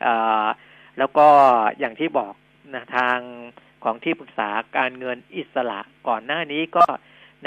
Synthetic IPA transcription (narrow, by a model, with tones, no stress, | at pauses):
ʔɤː˨˩ | lɛː˦˥wkɔː˥˩jaː˨˩ŋt̪ʰiː˥˩bɔː˨˩k̚ | na˦˥t̪ʰaː˧ŋ | kʰɔː˩˦ŋt̪ʰiː˥˩pɯ˨˩k̚saː˩˦kaː˧nŋɤ˧nʔi˨˩t̪̚sa˧la̰˨˩ʔkɔː˨˩nːaː˥˩niː˦˥kɔː˥˩ | n